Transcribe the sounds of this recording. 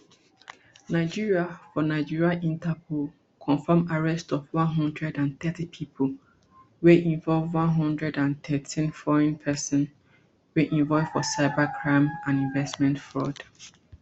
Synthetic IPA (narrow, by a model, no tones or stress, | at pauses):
naɪd͡ʒiɹiafɔnaɪd͡ʒiɹiaʔĩntʰɛpʰol | kʰɔ̃nfɛmaɹɛstɔfwɔ̃nɦɔ̃ndɹɛdãnθɛtipʰipʰo | weʔĩɱvɔlvwɔ̃nɦɔ̃ndɹɛdãntɛtʰĩnfɔɹɛ̃npʰɛsɔ̃n | weʔĩɱvɔlv̥fɔsaɪbakʰɹãɪ̃mãnĩɱvɛstmɛ̃ntfɹɔd̥